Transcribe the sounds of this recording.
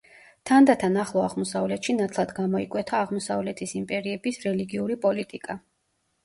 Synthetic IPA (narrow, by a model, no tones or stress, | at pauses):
t̪ʰand̪at̪ʰanaχlˠɔaʁmɔsavlɛt̪ʃinat̪ʰlˠad̪ɡamɔikʼwɛt̪ʰaːʁmɔsavlɛt̪ʰisimpʼɛɾiɛbisɾɛliɡiuɾipʼɔlit̪ʼikʼa